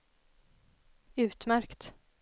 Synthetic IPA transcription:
ʉ̟ːt̪mæɾkt̪

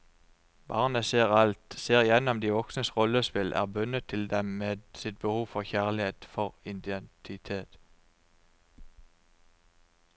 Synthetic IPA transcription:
b̥ɑːʁnəseːʁɑlt̪seːʁjɛnɔmd̪iːʋɔksnəsʁɔləspɪlʔæ̰ːʁbʉnət̪ʰːɪld̪ɛmmeːd̪sɪt̪̚bəhuːfɔʁçæʁlɪheːt̪fɔʁɪnd̪ɛnt̪ʰɪt̪ʰeːt̪

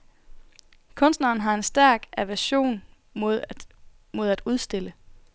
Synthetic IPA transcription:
kʰɔ̽n̰sd̥nɐːn̩ɦɑ̈e̝nsd̥æɐ̰ɡ̥æʋæɐɕo̝̰ːn | moðˠ | mo̝ð̞̰ˠæd̥uð̞ˠsd̥e̝lə

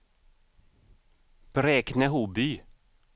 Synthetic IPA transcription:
b̥ɾɛːknəɦuby

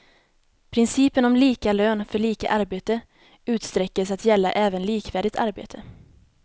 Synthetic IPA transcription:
pʰɾɪnsiːpənɔmliːkaløːnfœɭiːka̰ʔaɾbeːt̪ə | ʉ̟ːt̪st̪ɾɛkːəsat̪jɛlːa̰ʔɛːvənliːkvæːɖɪt̪ʰaɾbḛːt̪ʰə

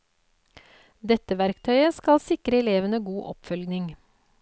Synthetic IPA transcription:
d̪ɛt̪əʋæɾkt̪ʰœʏəskɑlsɪkɾəɛleːʋənəɡuːʔɔpfœlɡnɪŋ

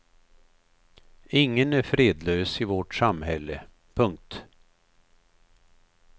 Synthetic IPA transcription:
ɪŋːənæɾfɾeːd̪løːsɪvɔʈsamɦɛlːə | pʰɵŋk̚t̪

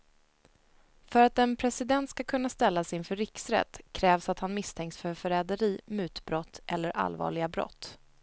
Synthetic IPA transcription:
fœɾat̪ɛnpʰɾɛsɪd̪ɛnt̪skakʰɵnːast̪ɛlːasɪnfœɾɪksɾɛ̰t̪ːkʰɾɛːvsat̪hanmɪst̪ʰɛŋksfœɾfœɾɛːd̪əɾiːmʉ̟ːt̪bɾɔt̪ʰːʔɛlːəɾʔa̰lvɑ̰ːɭɪɡabɾɔ̰t̪ː

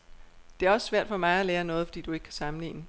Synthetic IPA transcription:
d̥e̝æɐɒ̽sə̥sʋæɐ̰d̥fɒ̽mɑ̈ɪæleːɐnɔ̽ːð̞̩ˠfɒ̽d̥ḭːd̥ue̝ɡ̥kʰæsɑ̈mn̩lḭːnə

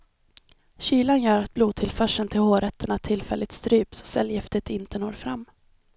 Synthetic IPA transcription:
ɕyːlanjœːɾat̪̚bluːd̪̚t̪ʰɪlfœʂənt̪ʰɪlhoːɾɛt̪ʰːəɳat̪ʰɪlfɛlːɪt̪st̪ɾyːpsɔ̥sɛ̰ljɪft̪ət̪ɪnt̪ənoːɾfɾa̰mː

